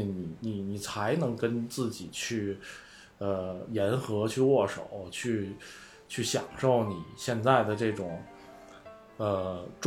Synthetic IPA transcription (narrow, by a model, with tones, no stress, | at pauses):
ni˨˩ni˨˩ni˨˩t͡sʰa˧˥ɪnɤ˧˥ŋkə˥nt͡sɹ̩˥˩t͡ɕi˨˩t͡ɕʰy˥˩ | ə˧jɛ˧˥nxɤ˧˥t͡ɕʰy˥˧wɔ˥˩ʂo̰˨˩˦ʊt͡ɕʰy˥˩ | t͡ɕʰy˥˩ɕjɑ˨˩ŋʂo˥˩ʊni˨˩˦ɕjɛ˥˧nt͡sa˥˩ɪd̪ə˩ʈ͡ʂɤ˥˩ʈ͡ʂʊ˨˩ŋ | ə˧ʈ͡ʂ